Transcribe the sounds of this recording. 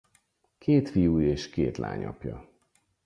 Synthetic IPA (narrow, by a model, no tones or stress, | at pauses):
kʰeːt̪fijuːeːʃkeːt̪la̰ːɲɒpjɒ